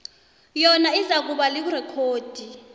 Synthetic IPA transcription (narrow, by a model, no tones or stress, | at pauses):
jɔnaizak̬uɓalik̬urɛkʰoːd̥ʱi